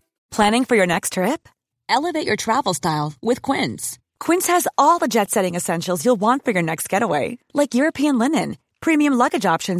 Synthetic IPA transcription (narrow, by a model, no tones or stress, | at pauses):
pʰl̥æ̃ñɪ̃ŋfə˞jə˞nɛkstʰɹ̥ɪp̚ | ʔɛlˠəveɪt͡ʃə˞tʰɹ̥ævl̩ˠstaɪlˠwɪð̥kʰw̥ɪ̃ns | kʰw̥ɪ̃nshɨzɔlˠðəd͡ʒɛtsɛɾɪ̃ŋɨsɛ̃nʃl̩ˠzjulˠwɑ̃ntfə˞jə˞nɛkst̚ɡ̥ɛɾəweɪlaɪkjʊɹɨpʰiɨ̃nlɪ̃nɨ̃n | pʰɹ̥ĩmiɨ̃mlʌɡɨd͡ʒɑpʃɨ̃n